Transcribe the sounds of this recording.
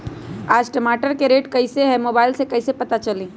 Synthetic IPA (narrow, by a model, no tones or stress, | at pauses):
aːd͡ʒʈəmaːʈəɾkeɾeːʈkəiseɦɛmoːbaːɪlsekɐɪsepɐt̪at͡ʃəlĩː